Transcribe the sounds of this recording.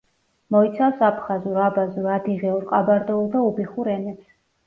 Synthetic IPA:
mɔit̪sʰafsapʰχazuɾabazuɾad̪iʁɛuɾqʼabaɾd̪ɔulˠd̪aubiχuɾɛnɛps

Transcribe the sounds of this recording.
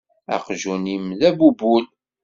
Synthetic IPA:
æ̰qʒunimðæbubul

